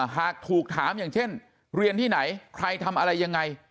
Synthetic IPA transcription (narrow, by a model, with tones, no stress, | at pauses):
ɦaː˨˩k̚t̪ʰuː˨˩k̚t̪ʰaː˩˦mjaː˨˩ŋt͡ɕʰe˥˩n | ɾi˧ənt̪ʰiː˥˩na˩˦jkʰɾa˧jt̪ʰa˧mʔa˧ɾa˧jːa˧ŋːa˧j